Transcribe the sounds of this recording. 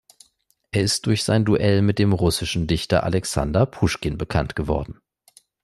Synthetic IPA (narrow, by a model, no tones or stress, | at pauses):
ʔeːɐɪst̚d̥ʊɐçz̥aɪnduʔɛlmɪt̚d̥eːmʁʊsɪʃn̩dɪçtɐ̰ʔa̰lɛksa̰ndɐpʰuʃkɪnbəkʰantɡ̥əvɔɐdn̩